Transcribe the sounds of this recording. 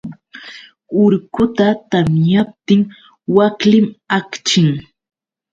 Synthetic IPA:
ʊɾkʊt̪at̪amjap̚t̪ɪŋ | waklɪmakt͡ʃɪŋ

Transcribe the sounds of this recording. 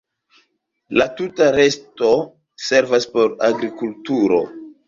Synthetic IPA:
latutaɾe̞sto̞ | se̞ɾvaspo̞ɾaɡɾikultuɾo̞̰

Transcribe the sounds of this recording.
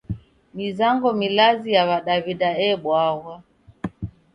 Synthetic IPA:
mizaŋɡɔmilazijaβaɗaβiɗaɛɓwawa

